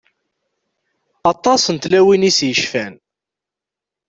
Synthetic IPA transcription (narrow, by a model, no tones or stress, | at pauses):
ɑt̪ˤɑsənt̪læwinisjəʃfæn